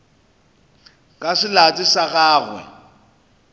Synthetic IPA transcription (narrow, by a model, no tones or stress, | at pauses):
kʼasɪlat͡sʼɪsaɣaːɣwɛ̰